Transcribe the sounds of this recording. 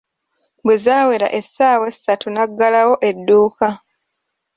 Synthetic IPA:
bwezaːwe̞ɾa̰ʔe̞sːaːwe̞sːatunaɡːalawo̞ʔe̞dːuːka

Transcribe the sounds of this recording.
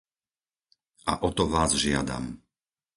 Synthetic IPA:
ʔaʔɔt̪ɔʋaːzʒɪa̰d̪a̰m

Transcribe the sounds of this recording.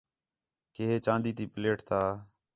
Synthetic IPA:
keːɦeːt͡ʃãːnd̪iːt̪iːpleːʈt̪aː

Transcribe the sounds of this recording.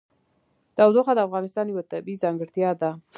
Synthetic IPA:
d̪̥ɑwd̪oxad̪əafɣɑnɪst̪ɑnjəwat̪abizɑŋɡəɽt̪jɑd̪a

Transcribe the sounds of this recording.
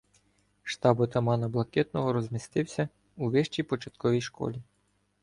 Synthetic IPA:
ʃt̪ɑbɔt̪ɐmɑnɐblˠɐkɛt̪nɔɦɔɾɔzʲmʲist̪ɪwsʲɐ | uʋɪʃt͡ʃijpɔt͡ʃɐt̪̚kɔʋʲijʃkɔ̰lʲi

